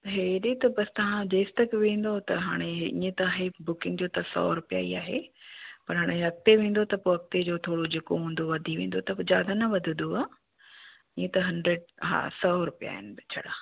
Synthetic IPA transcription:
ɐɦeɗet̪ɐbɐst̪ɐʋ̤ãd͡ʑɐːst̪ɐkʋẽːn̆d̪ot̪ɐɦaːɽ̃eʔĩːẽt̪ɐaːɦebʊkɪ̃ŋɡd͡ʑoːt̪ɐsɔ̰ːɾʊpija̰ːiaːɦḛpɐɾɦaːɽ̃eɦɐk̚t̪eʋẽːn̆d̪ot̪ɐpoɦɐk̚t̪ed͡ʑoːt̪ʰoːɽod͡ʑeːkoɦũːn̆d̪oʋɐd̪ʱiʋẽːn̆d̪ot̪ɐd͡ʑaːd̪ʱanɐʋɐd̪ʱɪ̃d̪d̪oaː | ĩːẽt̪ɐɦɐ̃nɖɾeɖɦã̰ːsɔːɾʊpija̰ːɦɪnɪbɪt͡ɕʰɐ̰ɽaː

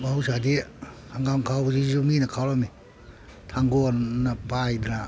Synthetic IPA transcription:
bawsadi | aŋɡawŋkʰawzizuminakʰawlami | tʰaŋɡɔnnapajdna

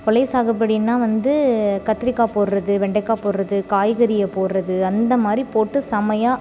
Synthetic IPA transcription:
kɔlɐɪsaːɣɐp̬ːɐɽɪnːaːʋɐnd̪ɯkɐt̪ːɾɪkːaːpoːɾɾɐðɯʋɛɳɖɐkːaːpoːɾɾɐðɯkaːjɣɐɾɪjɐpoːɾɾɐðɯɐnd̪ɐmaːd̪ɾipoːʈːɯsɐmɐjaː

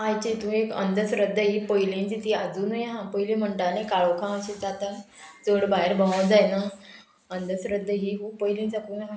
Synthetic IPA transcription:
ajt͡ɕit̪ũːekə̰nd̪ʱəsɾəd̪ʱːəɦiːpəjlẽnd͡zit̪ʰiad͡zuːnəjɦãpəjilẽm̤əɳʈ̪anekaɭokʰãaɕid͡zat̪a | d͡zəɽbaɦeɾbəməwd͡zajna | ənd̪ʱəsɾəd̪ʱːəɦiːɦuːpəjlĩnt͡sakunaɦ

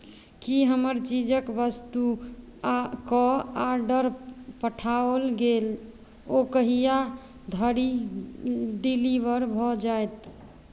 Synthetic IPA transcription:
kiɦəməɾt͡ʃid͡ʒəkbəst̪u | kɔaɾɖəɾpəʈʰaolɡel | okəɦija | d̪ʱəɾi | ɖiliʋəɾbʱɔd͡ʒajt̪

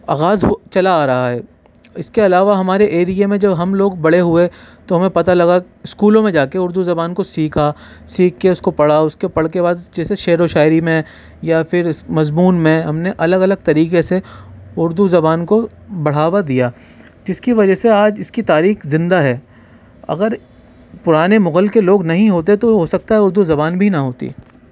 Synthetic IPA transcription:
aːɣaːzɦt͡ʃɐlaːɾɐɦaɦɛː | ɪskeɐlaːʋaɦɐmaːɾeʔeːɾijemẽd͡ʒɐbɦɐmloːɡ̚bɐɽ̤eɦʊet̪oɦɐmẽpɐt̪alɐɡa | ɪskuːlõmẽd͡ʒaːkeʊɾd̪uzɐbaːnkosiːkʰa | siːkʰːeʊskopɐɽaʊskepɐɽ̤kebaːd̪d͡ʒɛːseʃeːɾoʃaːɪɾimẽ | jafʰɪɾɪsmɐzmuːnmẽɦɐmneʔɐləɡɐləɡ̚t̪ɐɾiːkeseʊɾd̪uzɐbaːnko | bɐɽ̤aːʋad̪ijaː | d͡ʒɪskiʋɐd͡ʒəseaːd͡ʒɪskit̪aːɾiːxzɪ̃nd̪aɦɛː | ɐ̰ɡəɾ | pʊɾaːnemʊɣəlkeloːɡnɐɦĩɦoːt̪̬et̪oɦosɐk̚t̪aɦɛʊɾd̪uzɐbaːnbʱinɐɦoːt̪ḭ

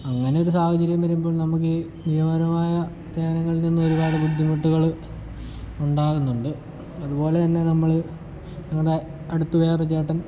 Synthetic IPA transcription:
ɐŋːɐne̞jo̞ɾus̬aːhɐt͡ɕɐɾjɐmʋɐɾumbo̞ːɭnɐmuk̬ːɨ | niɦɐmɐɾɐmaːjɐ | se̞ːʋɐnɐŋːɐɭilninːuoɾukaːɽɐbud̪ʱːimɐʈːuɣɐɭ | uɳɖaːɣunːuɳɖɨ | ɐðubo̞ːle̞t̪ɐnːe̞nɐmːɐɭ | nɐŋːɐɽe | ɐɽut̪ːuʋeːrɐt͡ɕːe̞ːʈːɐn

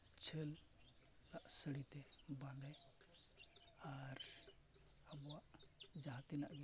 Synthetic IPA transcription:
t͡ʃʰəl | naʔsəɽit̪ɛbalɛ | aɾ | əbɔwaʔd͡ʒaɦat̪inaʔɡi

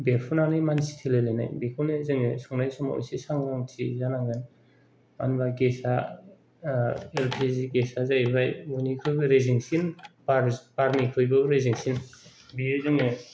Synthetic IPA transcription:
beɾpʰunanɯjmansi̥tʰelelena̰jbekʰunezɯŋesɔŋnajsɔma̰o̰jsisaŋɡaŋtʰizanaŋɡan | ma̰nbaɡesa | elpʰiziɡesazajβajunikʰɯjbɯɾeziŋsinbaɾbaɾmikʰɯjbaɾeziŋsinbiezɯŋe

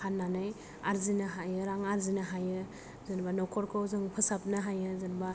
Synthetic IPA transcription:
hanːanɯj | aɾzinɯɦajɯɾaŋaɾzinaɦajɯ | zɯnbanɔkʰɔɾkʰawzɯŋpʰɯsap̚nɯɦajɯzɯnba

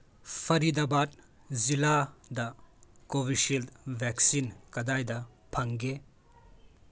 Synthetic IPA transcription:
pʰɐɾidɐbat̚ | ziladɐkobiʃilbʱɛksinkɐdajdɐ | pʰɐŋɡe

